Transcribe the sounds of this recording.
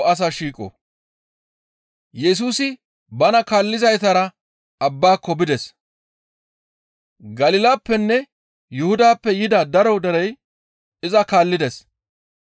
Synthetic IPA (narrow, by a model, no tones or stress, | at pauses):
ɐs̬aʃiːkʼɔ̰ | jɛs̬uːsɪ | bɐnɐkaːlːɪzɐjt̪ɐɾɐ | ɐbːaːkːɔbɪd̪ɛs | ɡɐlɪːlaːpːɛnːɛ | jʊhʊd̪aːpːɛjɪd̪ɐd̪ɐɾɔd̪ɛɾɛj | ɪzɐkaːlːɪd̪ɛs